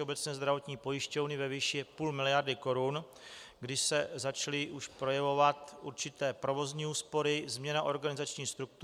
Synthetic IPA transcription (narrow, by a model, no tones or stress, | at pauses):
ɛobɛt͡sɲɛːzd̪ɾavo̞t̪ɲiːpo̞jɪʃcovnɪvɛviːʃɪpuːlmɪlɪjaɾdɪko̞ɾun | ɡdɪʃsɛzat͡ʃalɪʔuʃpɾo̞jɛvo̞vat̪ʔuɾt͡ʃɪt̪ɛːpɾo̞vo̞zɲiːuːspo̞ɾɪzmɲɛnaʔo̞ɾɡanɪzat͡ʃɲiːxst̪ɾuk̚t̪